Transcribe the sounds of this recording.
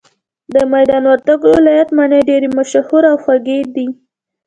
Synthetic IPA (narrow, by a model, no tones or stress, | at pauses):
d̪əmajd̪ɑnwaɾt̪aɡowɪlɑjat̪maneɖeɾemaʃahuɾawxwaɡed̪i